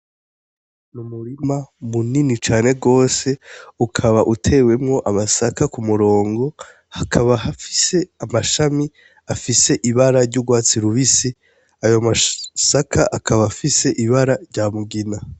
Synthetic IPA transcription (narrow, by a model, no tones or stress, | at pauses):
numuɾimamuninit͡ʃaːne̞ɡo̞ːse̞ukʰaβaʔutʰe̞ːwe̞mŋo̞ʔamasakakumuɾo̞ːŋɡo̞ | hakʰaβaɦafi̥se̞amaʃami | afise̞ʔiβaɾaɾɟuɡwaːt͡siɾuβisi | ajomasakʰaʔakʰaβafise̞ʔiβaɾaɾɟaːmuɡina